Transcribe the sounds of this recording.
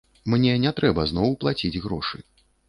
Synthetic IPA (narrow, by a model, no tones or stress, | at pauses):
mnʲɛnʲɛt̪ɾɛbɐznɔwplˠat͡sʲid͡zʲɣɾɔʂɨ̰